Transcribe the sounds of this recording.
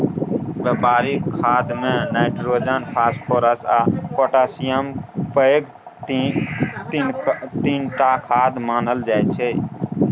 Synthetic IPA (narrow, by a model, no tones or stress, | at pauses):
ʋeːpaːɾiːkʰaːd̪mẽːnaːɪʈɾoːd͡ʒaːnpʰaːspʰoːɾəsaːpoːʈaːsijəmpəɡ | t̪iːnʈ̪aːkʰaːd̪maːnəld͡ʒaːjt͡ʃʰeː